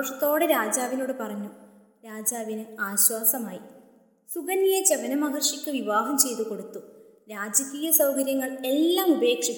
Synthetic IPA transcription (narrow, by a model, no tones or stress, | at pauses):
ɐʂɐt̪ːo̞ːɽeɾaːd͡ʑaːʋino̞ːɽɨpɐrɐɲːu | ɾaːd͡ʑaːʋinɨaːɕwaːsɐmaːji | suɣɐnijet͡ɕeʋɐnɐmɐɦɐrʂikʲːɨʋiʋaːɦɐmt͡ɕe̞jt̪uko̞ɽut̪ːu | ɾaːd͡ʑɐkiːjɐsɐwkɐɾjɐŋːɐɭe̞lːaːmube̞ːkʂikː